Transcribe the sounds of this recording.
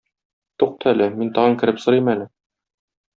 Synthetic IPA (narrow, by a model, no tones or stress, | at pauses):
t̪uq̚t̪ʰɤælɘmint̪ɒʁɤŋkɘ̆ɾɘpsɤ̆ɾimælɘ